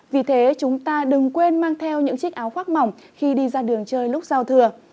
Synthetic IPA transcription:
vi˨˩t̪ʰe˨˦t͡ɕʊ˨˦ŋ͡mt̪aː˧ɗɨ˨˩ŋkwe˧nmaː˧ŋt̪ʰɛ˧wɲɨ̰˧˥ŋt͡ɕï˦˥k̟̚ʔaː˨˦wxwaː˦˥k̚ma˨˩wŋ͡m | xi˧ɗi˧zaː˧ɗɨ˨˩əŋt͡ɕəː˧jlʊ˦˥k͡p̚za˧wt̪ʰɨ˨˧˩ə

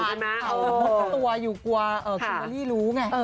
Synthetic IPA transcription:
a˧˩ma˦˥ʔːt̪u˧ɐ˧juː˨˩ku˧ɐʔɤː˨˩ɔ˧˩a˧liː˥˩luː˦˥ŋa˧˩ʔɤː˧˩

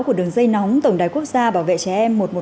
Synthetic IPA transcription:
ku˧˩əɗɨ˨˩əŋzə˧jnɔ˨˦wŋ͡mt̪ə˧˩wŋ͡mɗaː˨˩jku˦˥əkk̚zaː˧ɓaː˧˩wvḛ˧˨t͡ɕɛ˧˩ʔɛ˧mːo˨˩t̚mo˨˩

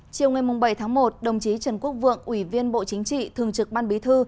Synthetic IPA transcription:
t͡ɕi˨˩əwŋa˨˩jmʊ˨˩ŋ͡mɓə˧˩jt̪ʰaː˨˦ŋmo˨˩t̚ɗə˨˩wŋ͡mt͡ɕi˨˦t͡ɕə˨˩nku˦˥ək̚vɨ̰˧˨əŋʔwi˧˩vi˧ənɓo̰˧˨t͡ɕï˨˦ŋ̟t͡ɕḭ˧˨t̪ʰɨ˨˩əŋt͡ɕɨ˨˩k̚ɓaː˧nɓi˨˦t̪ʰɨ˧

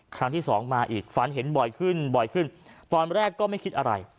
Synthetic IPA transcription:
kʰɾa˦˥ŋt̪ʰiː˥˩sɔː˩˦ŋmaː˧ʔiː˨˩k̚fa˨˦nɦe˩˦nbɔ˨˩jkʰɯ˥˩nbɔ˨˩jkʰɯ˥˩nt̪ɔː˧nɾɛː˥˩kːɔː˥˩ma˥˩jkʰi˦˥t̪̚ʔa˧ɾa̰˧j

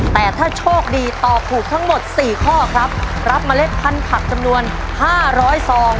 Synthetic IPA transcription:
t̪ɛː˨˩t̪ʰaː˥˩t͡ɕʰoː˥˩k̚diː˧t̪ɔː˨˩p̚t̪ʰuː˨˩k̚t̪ʰa˦˥ŋmo˨˩t̪̚siː˨˩kʰɔː˥˩kʰɾa˦˥p̚ | ɾa˦˥p̚maː˧le˦˥t̪̚pʰa˧npʰa˨˩k̚t͡ɕa˧mnu˧ən | haː˥˩ɾɔː˦˥jsɔː˩˦ŋ

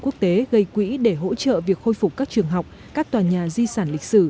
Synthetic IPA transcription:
ku˦˥ək̚t̪e˨˦ɣə˧˩jkwḭ˧˥ɗe˧˩ɦo̰˧˥t͡ɕə̰ː˧˨vi˨˩ək̚xo˧jfʊ˨˩k͡p̚kaː˦˥k̚t͡ɕɨ˨˩əŋɦa˨˩wk͡p̚ | kaː˦˥k̚t̪waː˨˩ɲaː˨˩zi˧saː˧˩nlï˨˩k̟̚sɨ˧˩

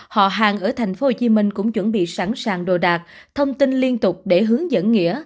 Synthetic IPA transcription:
hɔ̰˧˨ɦa̰ː˨ŋʔəː˧˩t̪ʰa˨˩j̟fo˨˦ho˧˩t͡ɕi˧˦mï˧ŋ̟kʊ̰˧˥wŋ͡mt͡ɕwə˧˩nɓḭ˧˨saː˧˩nsaː˨˩ŋɗo˨˩ɗaː˨˩k̚ | t̪ʰə˧wŋ͡mt̪i˧nli˧ənt̪ʊ˨˩k͡p̚ɗe˧˩ɦɨ˨˦əŋzə̰˧˥nŋḭ˧˥ə

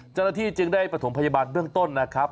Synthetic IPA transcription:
t͡ɕa˥˩wnaː˥t̪ʰiː˥˩t͡ɕɯ˧ŋdaː˥˩jpɾa˧t̪ʰo˩˦mpʰa˧jaː˧baː˧nbɯ˥˩əŋt̪o˥˩nːa˦˥kʰɾa˦˥p̚

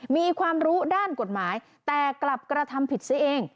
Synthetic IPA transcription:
miː˧kʰwaː˧mɾuː˦˥daː˥˩nko˨˩t̪̚maː˩˦j | t̪ɛː˨˩kla˨˩p̚kɾa˧t̪ʰa˧mpʰi˨˩t̪̚si˦˥ʔeː˧ŋ

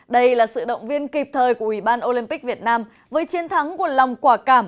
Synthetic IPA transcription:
ɗə˧jlaː˨˩sɨ̰˧˨ɗə̰˧˨wŋ͡mvi˧ənki˨˩p̚t̪ʰəː˨˩jku˧˩əʔwi˧˩ɓaː˧nʔo˧li˧mpi˦˥k̚vi˨˩ət̚naː˧m | vəː˨˦jt͡ɕi˨˦nt̪ʰa˨˦ŋku˧˩əla˨˩wŋ͡mkwaː˧˩kaː˧˩m

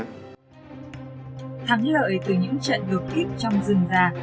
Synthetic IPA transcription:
t̪ʰa˨˦ŋlə̰ː˧˨jt̪ɨ˨˩ɲɨ̰˧˥ŋt͡ɕə̰˧˨nɗo˨˩t̚ki˦˥k̚t͡ɕɔ˧wŋ͡mzɨ˨˩ŋzaː˧˩

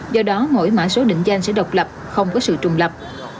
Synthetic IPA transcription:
zɔ˧ɗɔ˨˦mo̰˧˥˨jma̰ː˧˥jso˨˦ɗḭ˧˨ŋ̟za˧jŋ̟sɛ̰˧˥ɗə˨˩wk͡p̚lə˨˩p̚xə˧wŋ͡mkɔ˨˦sɨ̰˧˨t͡ɕʊ˨˩ŋ͡mlə˨˩p̚

